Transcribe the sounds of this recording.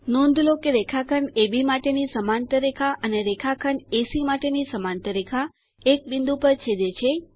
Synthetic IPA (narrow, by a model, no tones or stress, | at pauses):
nõnd̪ʱlokeɾekʰakʰəɳebimaʈenisəmant̪əɾekʰaʔəneɾekʰakʰəɳesimaʈenisəmant̪əɾekʰa | ek̚bind̪upəɾt͡ʃʰed̪et͡ʃʰe